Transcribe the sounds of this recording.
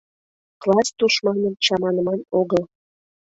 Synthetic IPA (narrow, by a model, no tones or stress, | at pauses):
klˠɑst̪uʃmɑnənt͡ɕɑmɑnəmɑnoɣəl